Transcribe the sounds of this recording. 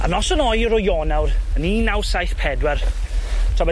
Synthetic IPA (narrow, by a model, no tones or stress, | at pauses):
a̰nɔsənɔjɾɔjɔːnawɾəniːnawsajθpʰɛdwɛr | tʰɔbɛ